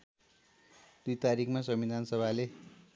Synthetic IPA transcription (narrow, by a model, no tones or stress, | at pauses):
d̪̥ujt̪aɾikʰmasʌmid̪ʱansʌbʱale